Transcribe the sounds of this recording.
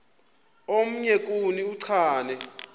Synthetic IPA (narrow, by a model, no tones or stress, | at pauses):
om̩ɲɛk̬ʼuniuǀʰaːnɛ